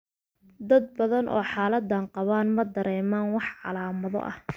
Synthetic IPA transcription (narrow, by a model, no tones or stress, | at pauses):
d̪ɐd̪̚bɐðɐnʔɔ̰ːħɑːlɐd̪ɐɴqɑβaːnmɐd̪ɐɾɛːmaːnwɑħɑ̰laːmɐðɔ̰ʔɐh